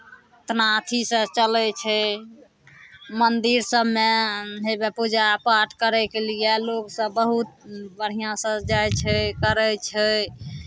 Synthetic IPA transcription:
t̪nat̪ʰisə̃t͡ʃəlɛt͡ʃʰɛ | mənd̪iɾsəbmeɦebepud͡ʒapaɾʈkəɾɛkelijɛloɡsə̃bəɦut̪̚bəɽ̤ijãsə̃d͡ʒajt͡ʃʰɛkəɾɛt͡ʃʰɛ

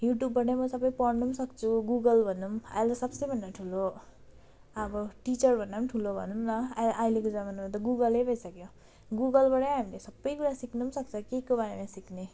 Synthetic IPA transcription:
juʈjubːʌʈ̬ʌmʌsʌbʌjpʌrnumsʌkt͡sʰuɡuɡʌlbʱʌnuma̰jlʌsʌbsʌbʱʌndaʈʰulo | ʌbʌʈit͡sʌrbʱʌnːamʈʰulobʱʌ̰numlʌajlekod͡zamanmat̪̬ʌɡuɡʌlejbʱʌjsʌkjõ | ɡuɡʌlbaʈʌɦamilesʌbʌjkuɾasiknumsʌk̚t͡sʰʌkekobaɾemãsikne

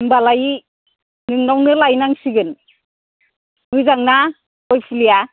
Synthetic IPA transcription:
ŋbalaj | nɯŋnawnɯlajnaŋsiɡɯn | nujzaŋna | ɔjpʰilija

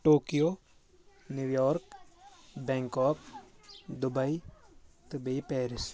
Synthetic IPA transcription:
ʈoːkijoː | njuːjɔːɾk | bɛ̃ːŋkɔːk | d̪ʊbɐit̪ʊbeipɛːɾɪs

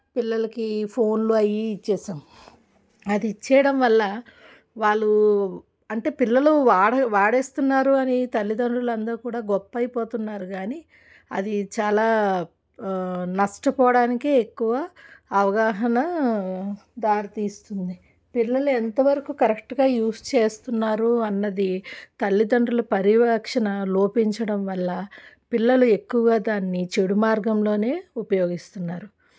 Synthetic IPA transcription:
pilːɐlɐkipʰo̞ːnluɐjiːt͡ʃːɛːsaːmu | ɐd̪iːt͡ʃːɛːɐɽɐmʋɐlːɐ | ʋaːɭːu | ɐɳʈe̞ːpilːɐluʋaːɽɐʋaːɽe̞ːst̪unːaːɾuɐnit̪ɐlːid̪ɐɳɖulɐnd̪ɐɾkuːɽaːɡɔpːɐjpoːt̪unːaːɾuɡaːni | ɐ̰d̪it͡ʃaːlaː | nɐʂʈɐpɔːɽaːnikeekːuʋaːʋɐɡaːɦɐnɐ | d̪aːɾit̪iːst̪und̪i | pilːɐluɛnt̪ɐʋɐɾɐkukɐɾekʈɡaːjuːst͡ʃeːst̪unːaːɾuɐnːɐd̪it̪ɐlːid̪ɐɳɖɐlɐpɐɾiʋɐkʂɐnɐlo̞ːpiɲt͡ʃɐɽɐmʋɐlːɐ | pilːɐlue̞kːuʋɐɡaːd̪aːnːit͡ʃe̞ɽumaːɾɡɐmlo̞ːne̞ːupɐjo̞ːɡist̪unːaːɾu

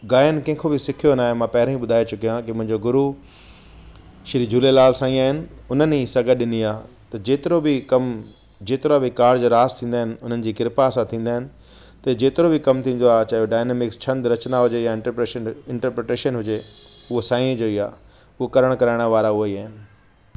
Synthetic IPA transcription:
ɡaːjənkɛ̃ɦɪ̃kʰobɪsɪkʰijonaːɦemãːpɐɦɪɾə̃ĩɓʊd̪ʱaːet͡ɕʊkijãkimʊ̃ɦɪ̃ɲd͡ʑoɡʊɾu | ʃɪɾid͡ʑuːlelaːlsãːĩaːɦɪnɪ̆ʊnənisɐɡəɗɪniaː | t̪ɐd͡ʑeːt̪ɪɾobɪkɐm | d͡ʑeːt̪ɪɾoabɪkaːɽd͡ʑoːɾaːst̪ʰĩːnd̪aːɦɪnɪ̆ʊn̤ənɪ̆d͡ʑiːkɪɾpasãt̪ʰĩːn̆d̪aːɦɪnɪ̆ | t̪ɐd͡ʑeːt̪ɪɾobikɐmt̪ʰĩːn̆d̪oaːɦt͡ɕɐɦjoɖaːɪnemɪkst͡ɕʰɐ̃nd̪ɾɐt͡ɕnaɦʊd͡ʑejãɪ̃eənɪ̃ɳʈəɾpɾeːʈeːʃənɦʊd͡ʑe | ʊɦosãːĩẽd͡ʑoːiaː | ʊɦokɐɾəɽ̃kɐɾaːɪɽ̃ʋaːɾaɦʊoiaːɦɪnɪ̆

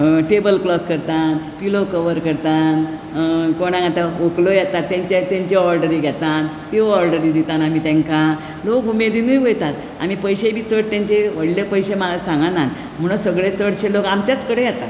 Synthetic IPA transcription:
ʈebəlplɔt̪kəɾt̪anpilokəʋəɾkəɾt̪an | koɽ̃ãŋɡat̪aoklojat̪at̪ːãɲt͡ɕet̪ãɲt͡ɕeɔɾɖəɾiːɡʱet̪ant̪iɔɾɖəɾid̪it̪anamit̪ẽŋka | lokumed̪inujʋojt̪at̪ | a̰miːpəjɕebʱiːt͡səʈt̪ãɲt͡ɕeʋəɽljepəjɕemaɡasãŋɡanan | m̤əɽ̃əsəɡɭet͡səɽɕelokamt͡ɕjat͡skəɽejat̪a

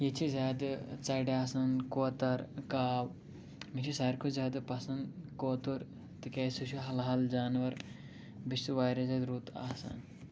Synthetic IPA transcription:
jit͡ʃʰizʲaːd̪ɨt͡sɐjɖaːsɐnkoːt̪ɐɾkaːw | mit͡ʃʰisɐːɾkʰuzʲaːd̪ɨpɐsɐnd̪koːt̪uɾ | t̪ikɐːjsuʃiɦɐlɦɐld͡ʒaːnʋɐɾ | bist̪uʋaːjɾɐzaːd̪ɾuːt̪a̰ːsɐ̰n

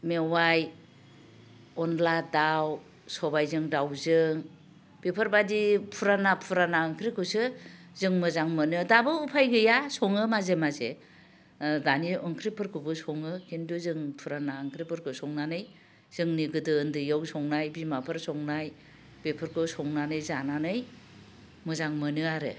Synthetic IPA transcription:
mewaj | ɔnladaw | sɔbajzɯŋdawzɯŋ | b̥epʰɯɾbadipʰuɾanapʰuɾanaɯŋkʰɾikʰɯsɯzɯŋmɯzaŋmɯnɯdabɯupʰajɡɯjasɔŋɯmazemaze | daniɯŋkʰɾipʰɯɾkʰɯbɯsɔŋɯkʰinduzɯŋpʰuɾanaɯŋkʰɾipʰɯɾkʰɯsɔŋnanɯj | z̥ɯŋniɡɯdɯːndɯjɯwsɔŋnajbimapʰɯɾsɔŋnaj | b̥epʰɯɾkʰɯsɔŋnanɯjzananɯj | mɯzaŋmɯnɯaɾɯ̰

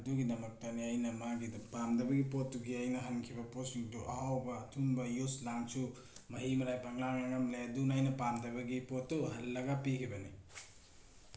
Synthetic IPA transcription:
ɐduɡinɐmɐk̚tɐniɐjnɐmaɡidɐpamdɐbɐɡipotːuɡiɐjnɐɦɐnkʰibɐposiŋtuʔɐ̰hawbɐːtʰunbɐjuslaŋsu | mɐɦimɐɾajpʰɐŋlaŋɐŋɐmleɐdunajnɐpamdɐbɐɡipotːuɦɐlːɐɡapikʰibɐni

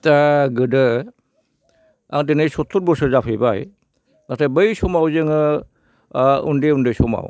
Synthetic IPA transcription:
taɡɯdɯ | a̰ŋdenɯjsɔtʰːuɾ̚bɔsɯzapʰɯjbaj | nak̚tabɯjsɔmawzɯŋɯ | ṵndeundɯjsɔma̰w

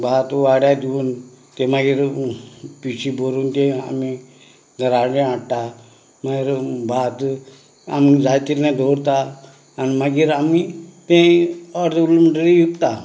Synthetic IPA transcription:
bʱat̪ʋaɽjad̪iuːn | t̪ẽmaɡiːɾ | pisiboɾuːnt̪ẽa̰mi | d̪əɾaɽẽaɽt̪a | maɡiːɾbʱat̪ | a̰mid͡zajt̪ilnɛ̃d̪ʱoɽt̪aː | nməɡiːɾamit̪ẽɔɾd̪ulumʈəɾijukt̪a

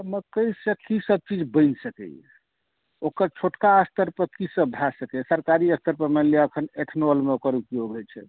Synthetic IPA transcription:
əməkəjsə̃kisəb̚t͡ʃid͡ʒbə̃ɪnsəkɛ̰j | okəɾt͡ʃʰoʈkaəst̪əɾpəɾkisəbbʱasəkɛsəɾkaɾiəst̪əɾpəɾmelijaəkʰəneʈʰnolmeokəɾukioɡʱɛt͡ʃʰɛ̰

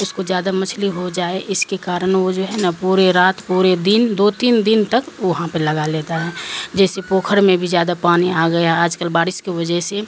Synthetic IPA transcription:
ʊskod͡ʒjaːd̪amɐt͡ʃʰliɦod͡ʒaːeʔɪskekaːɾənʋod͡ʒoːɦɛnapuːɾeɾaːt̪puːɾed̪ind̪oːt̪iːnd̪ɪnt̪əkʋʊɦãpəlɐɡaleːt̪aɦɛːd͡ʒɛːsepoːkʰəɾmẽbʱid͡ʒjaːd̪apaːniaːɡəeɦɛaːd͡ʒkəlbaːɽɪskeʋəd͡ʒəɦse

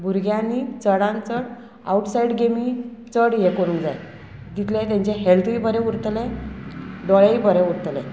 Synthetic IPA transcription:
bʱuɾɡjãnit͡səɽãnt͡səɽ | a̰uʈsaiɽɡemit͡səɽɦjekoɽũd͡zaj | d̪it̪ʰlẽt̪ãɲt͡ɕeɦelt̪ʰibʱəɾɛ̃uɾt̪lẽ | d̪ɔɭeibʱəɾɛ̃uɾt̪lḛ̃

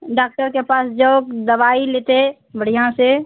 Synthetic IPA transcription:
ɖaːk̚ʈəɾkepaːsd͡ʒokd̪əʋaːilet̪e | bəɽ̤ijãse

